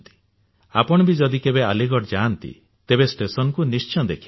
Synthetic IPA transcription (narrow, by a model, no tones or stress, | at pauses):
t̪i̥ | apɔɽ̃ɔbid͡ʒɔd̪ikebealiɡɔʈd͡ʒaːnt̪ḭ | t̪ebesʈesɔnɔkunist͡ʃɔd̪ekʰi